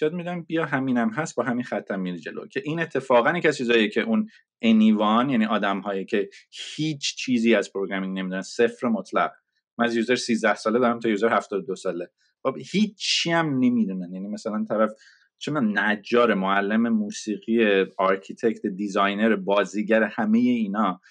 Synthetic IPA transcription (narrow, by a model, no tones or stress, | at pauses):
jɒd̪mid̪æmbijɒɦæminæmɦæsbɒːɦæminxæt̪ʰːæmːid̪d͡ʒe̞lo̰cʰe̞ʔiːne̞t̪ʰːe̞fɒːɣænjecæzt͡ʃʰiːzɒːjecʰe̞ʔun | enivɒnjæniʔɒːd̪æmɦɒːjicʰe̞hiːt͡ʃʰt͡ʃʰiːziːæz̥pʰoɾoɡɾæmine̞miːd̪unænsefɾemot̪ʰlæ̰ɣ | mænæzjuzeɾsiːzd̪æhsɒːled̪ɒːɾæmt̪ʰɒjuzeɾhæft̪ɒːd̪od̪osɒːle̞ | χobhiːt͡ʃʰːiæmne̞mid̪unænjænimæsælænt̪ʰæɾæf | t͡ʃʰemnæd͡ʒːɒːɾemoælːeme̞muːsiːɣieɒɾcʰit̪ʰe̞ct̪ʰed̪izɒjne̞ɾebɒːziːɟæɾe̞hæme̞je̞iːnɒː